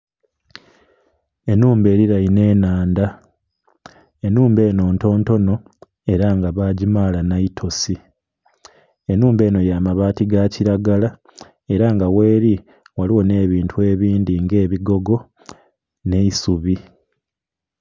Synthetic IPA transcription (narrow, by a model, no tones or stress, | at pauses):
e̞nuːmbe̞ːɾiɾajine̞ːnaːnda | e̞nuːmbe̞ːno̞ːnto̞ːnto̞no̞ | e̞ɾaŋɡaβaːɟimaːlanaitʰo̞si | e̞nuːmbe̞ːno̞jaːmaβaːtiɡaciɾaɡala | e̞ɾaŋɡawe̞ːɾi | waliwo̞ne̞ːβiːntʰue̞ːβiːndiŋɡe̞ːβiɡo̞ɡo̞ | ne̞isuβi